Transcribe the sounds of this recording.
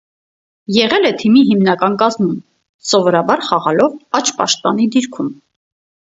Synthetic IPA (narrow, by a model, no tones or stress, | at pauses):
jɛʁɛlɛt̪ʰimiɦimnɑkɑnkɑzmum | sɔvɔɾɑbɑɾχɑʁɑlɔvɑt͡ʃʰpɑ̰ʃt̪̚pɑ̰nid̪iɾkʰum